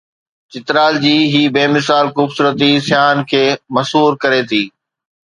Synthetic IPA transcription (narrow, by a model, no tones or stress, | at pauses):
t͡ɕɪt̪ɾaːld͡ʑiːɦiːbeːmɪsaːlxuːbsuːɾət̪isɪjaːnkʰeːmɐsɦuːɾkɐɾet̪ʰiː